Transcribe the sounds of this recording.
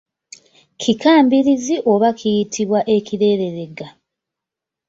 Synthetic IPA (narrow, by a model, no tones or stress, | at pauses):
kʰikaːmbiɾiziʔo̞βakʰijitʰiβwaʔe̞ciɾe̞ːɾe̞ɾe̞ɡa